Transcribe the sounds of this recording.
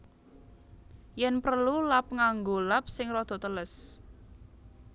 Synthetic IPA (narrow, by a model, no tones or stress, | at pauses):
jɛnpərlulap̚ŋaŋɡolap̚sɪŋrɔd̪̥ɔ̤t̪ələs